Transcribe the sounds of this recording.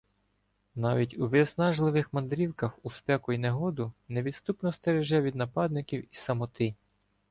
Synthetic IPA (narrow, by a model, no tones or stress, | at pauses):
nɑʋʲitʲuʋɪsnɑʒlˠɪʋɪxmɐnd̪ɾʲiwkɐxuspɛkʊineɦɔd̪ʊneʋʲid̪st̪upnɔst̪eɾeʒɛʋʲid̪nɐpɑd̪̚nɪkʲiwisɐmɔt̪ɪ